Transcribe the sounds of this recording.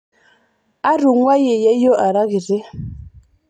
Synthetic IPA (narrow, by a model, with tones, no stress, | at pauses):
a˦ɾu˨ŋwa˦je˨jɛ˦jo˦ʔa˨ɾa˦ɣi˨ɾe˦